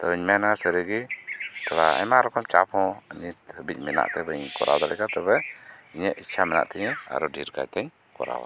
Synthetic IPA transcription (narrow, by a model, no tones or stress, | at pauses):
t̪ɔiɲmɛnaasəɾəɡit̪ɔɾaa̰ɲmaɾɔkɔmt͡ʃapʰɔ̃əɲihəbic̪̚ˀmɛna̰ʔt̪ɛbəɲkɔ̰ɾʔa̰wd̪alɛkat̪ɛbɛiɲɛʔit͡ʃʰamɛna̰ʔt̪ʰɛɲɛa̰ɾɔdiɾka̰jt̪ɛɲ | kɔ̰ɾa̰wa